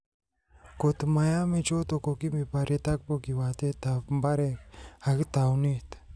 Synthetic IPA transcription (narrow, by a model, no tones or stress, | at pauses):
kot̪majamet͡ʃot̪okokimipaɾet̪ak̚bokiwat̪et̪apmbaɾek̚hakt̪awnit̪